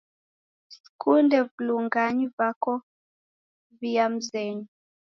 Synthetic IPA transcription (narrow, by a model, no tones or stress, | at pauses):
s | kʰundɛvuluŋɡaɲivakɔ | viam̩zɛɲu